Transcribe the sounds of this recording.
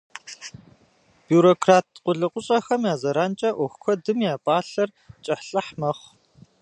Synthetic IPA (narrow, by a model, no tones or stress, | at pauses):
b̥juːɾoːkʰraːtʰqʷʊɮɨqʷʊɕʼɐxɐmjaːzɐɾaːnt͡ʃʼɐʔɔxʷkʷʰɔdɨmjaːpʼaːɬɐr | t͡ʃʼɐħɬɐħmɐχʷ